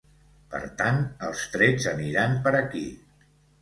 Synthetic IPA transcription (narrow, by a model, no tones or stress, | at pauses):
pə̰ɾt̪ant̪əlˠst̪ɾɛd͡zəniɾampəɾəki